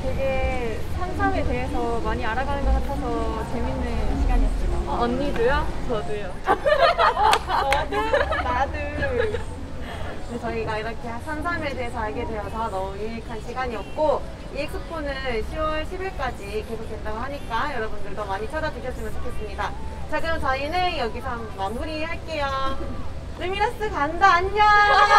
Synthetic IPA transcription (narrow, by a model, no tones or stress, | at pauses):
teɡe̞ | sʰansʰame̞de̞ɦesʰʌmaɲiaɾaɡanɯnɡʌk͈atʰʌsʰʌt͡ɕe̞minːɯnɕʰiɡaɲiʌt͡ɕ͈imaʌɲːidujot͡ɕʌdujo | ʌnadɯɭ | ɯt͡ɕʌiɡaiɾʌkʰe̞asʰansʰame̞deesʰʌaɭɡe̞dwe̞ʌsʰʌnʌmuiɾikʰanɕʰiɡaɲiʌp̚k͈o | ikʰɯpʰonɯnɕʰiwʌɭɕʰibiɭk͈ad͡ʑike̞sʰok̚twe̞ndaɡoɦaɲik͈ajʌɾʌbundɯɭtomaɲit͡ɕʰad͡ʑadɯɕʰʌs͈ɯmjʌnt͡ɕʰokʰe̞s͈ɯmɲidat͡ɕaɡɯmt͡ɕainɦeŋjʌɡisʰaŋmamuɾihaɭk͈e̞ja | nɯmiɾas͈ɯkandaːɲiɲa